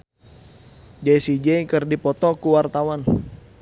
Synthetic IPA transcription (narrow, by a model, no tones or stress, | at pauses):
d͡ʒasid͡ʒɛjkərdipɔt̪ɔkuwart̪awan